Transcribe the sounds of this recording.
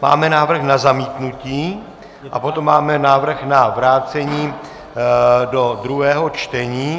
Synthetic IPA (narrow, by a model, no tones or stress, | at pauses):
ma̰ːmɛnaːvr̩xnazamiːt̪nuciː | ʔapo̞t̪o̞mːaːmɛnaːvr̩xnavɾaːt͡sɛɲiː | do̞d̪ɾuɦɛːɦo̞t͡ʃt̪ɛɲiː